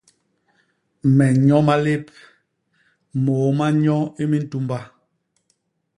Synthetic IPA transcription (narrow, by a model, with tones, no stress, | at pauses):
mɛ˨ɲɔ˦ma˦le˦p̚ | moː˨˦ma˦ɲɔ˦i˦mi˦n̩˦tu˦mba˦